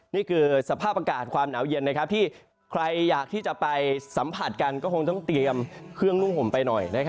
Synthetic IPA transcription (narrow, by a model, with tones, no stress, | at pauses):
niː˥˩kʰɯː˧sa˧pʰaː˥˩p̚ʔa˧kaː˨˩t̪̚kʰwaː˧mnaː˩˦wje˧nːa˦˥k̚ʰt̪ʰiː˥˩ | kʰɾa˧jːaː˨˩k̚t̪ʰiː˥˩t͡ɕa˨˩pa˧jsa˩˦mpʰa˨˩t̪̚ka˧nkɔː˥˩ko˧ŋt̪ɔ˥˩ŋt̪i˧əmkʰɾɯ˥˩əŋnu˥˩ŋho˨˩˦mpa˧jnɔ˨˩jna˦˥kʰ